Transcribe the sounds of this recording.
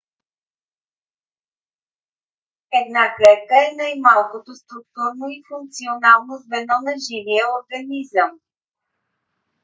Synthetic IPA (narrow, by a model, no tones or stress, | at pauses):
ɛd̪naklɛt̪kəɛnajmalˠkot̪ost̪ɾuk̚t̪uɾnoifuŋk̚t̪sionalˠnozvɛnɔnɐʒivijəoɾɡɐnizəm